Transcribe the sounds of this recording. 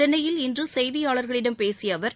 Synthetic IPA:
ɐnːɐjɪlɪndrɯsɛjðɪjaːɭɐɾɣɐɭɪɽɐmpeːsɪjɐʋɐɾ

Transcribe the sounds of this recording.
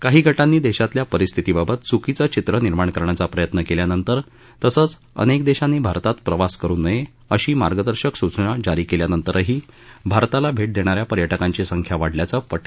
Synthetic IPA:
kaɦiːɡʱəʈanːiːd̪eɕat̪ljapəɾist̪ʰit̪iːbabət̪t͡sukit͡sət͡ɕit̪ɾəniɾmaɳkəɾɳjat͡sapɾəjət̪nəkeljanənt̪əɾ | t̪əsəːt͡s | ə̰nekd̪eɕanːiːbʱaɾt̪at̪pɾəʋaskəɾuːnːəje | əɕiːmaɾɡəd̪əɾɕəksut͡sɳad͡ʑaɾiːkeljanənt̪əɾəɦiː | bʱaɾt̪alabʱeʈ̚d̪eɽ̃aɾjapəɾjəʈəkaɲt͡ɕiːsəŋkʰjaʋaɽljat͡səpəʈʰ

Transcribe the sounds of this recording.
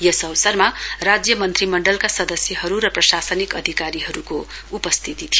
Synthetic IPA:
jʌsʌwsʌrmarad͡zjʌmʌnt̪rimʌɳɖʌlkasʌd̪ʌsjʌɦʌɾuɾʌprʌsasʌnikʌd̪ʱikaɾiɦʌɾukoupʌst̪ʰit̪it̪ʰijo

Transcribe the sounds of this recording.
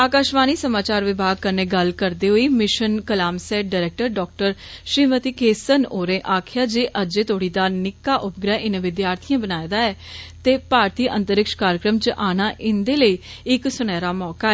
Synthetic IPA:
aːkaːʃʋaːniːsəmaːt͡ʃaːɾʋɪbʱaːɡ̚kəɾneːɡəlkəɾd̪eːɦoiːmɪʃənkəlaːmsɛːʈ̚ɖaɾɛːk̚ʈəɾɖɔːk̚ʈəɾʃɪːmət̪iːkeːsənoːɾẽːʔaːkʰɪjaːd͡ʒeːʔəd͡ʒeːt̪oːɽiːd̪aːnɪkːaːʔʊp̚ɡɾɛːʔɪnʋɪd̪jaːɾt̪ʰijãːbənaːed̪aːɛːt̪eːpaːɾt̪iːʔə̃nt̪əɾɪkʃkaːɾjəkɾəmt͡ʃəʔaːñaːʔɪnd̪eːləiː | ɪksʊñɛːɾaːmɔːkaːɛː

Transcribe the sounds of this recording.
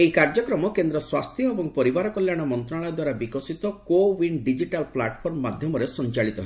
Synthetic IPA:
eikaɾd͡ʒɔkɾɔmɔkend̪ɾɔswast̪ʰjɔebɔŋpɔɾibaɾɔkɔljaɽ̃ɔmɔnt̪ɾaɭajɔd̪waɾabikɔsit̪ɔkowinɖid͡ʒiʈalplaʈpʰɔɾmɔːad̪ʱjɔmɔɾesɔnt͡ʃaɭit̪ɔɦe

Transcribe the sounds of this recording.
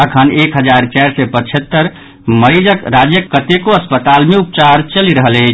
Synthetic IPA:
əkʰənekɦəd͡ʒaɾt͡ʃɛɾsepət͡ʃʰət̪ːəɾ | məɾid͡ʒəkɾad͡ʒjəkːət̪ekoəspət̪almeup̚t͡ʃaɾt͡ʃəliɾəɦəlɛ

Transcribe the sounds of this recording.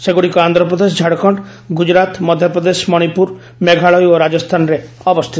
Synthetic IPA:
seɡuɽikɔand̪ɾɔpɾɔd̪es̬ɔd͡ʒʱaɽkʰɔɳʈ | ɡud͡ʒɾat̪mɔd̪ʱjɔpɾɔd̪eʃmɔɽ̃ipuɾ | meɡʱaɭɔjoɾad͡ʒɔst̪ʰanɾe | ɔbɔst̪ʰit̪

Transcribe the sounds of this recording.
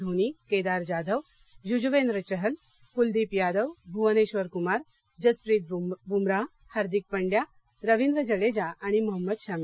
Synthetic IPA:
unikeːd̪aːɾd͡ʑaːd̪əʋ | jud͡ʑʋeːnɾət͡ɕəɦəl | kuld̪iːpjaːd̪əʋbʱuʋəneɕʋəɾkumaːɾ | d͡ʑəspɾiːt̪̚bumɾa | haːɾd̪ik̚pəɳɖja | ɾəʋind̪ɾəd͡ʑəɽed͡ʑaaɽ̃imuɦəmːəd̪ɕaːmi

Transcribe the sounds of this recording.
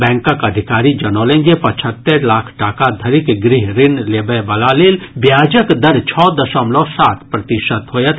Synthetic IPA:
bɛ̃ːŋkəkɐd̪ʱɪkaːɾid͡ʒɐnoːlẽːŋɡepɐt͡ʃʰət̪ːəɾlaːkʰʈaːkad̪ʱɐɾɪkɡɾɪɦɾɪnleːbəbɐlaːleːlbjaːd͡ʒəkd̪ɐɾt͡ʃʰɔːd̪ɐʃəmlɔsaːt̪ʰpɾɐt̪ɪʃət̪ɦoːjət̪

